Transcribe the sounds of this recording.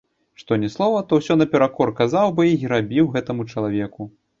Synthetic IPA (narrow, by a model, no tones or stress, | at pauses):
ʂt̪ɔnʲɛslˠɔvɐt̪ɔwsʲɔnɐpʲɛɾakɔrkazawbɔjiiɾabʲiwɣɛt̪ɐmut͡ʂɐlˠavʲɛku